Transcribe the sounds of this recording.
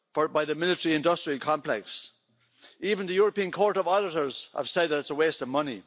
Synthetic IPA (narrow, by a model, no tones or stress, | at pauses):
fə˞baɪðəmɪlˠɪtəɹiɪ̃ndʌstɹ̥iəlˠkʰɑ̃mpʰl̥ɛks | ivə̃nðəjɔɹəpĩə̃nkʰɔɹɾəvɔɾɪɾə˞z̥ə̰v̥sɛd̪̚ðəɾɪtsəwestəvmʌni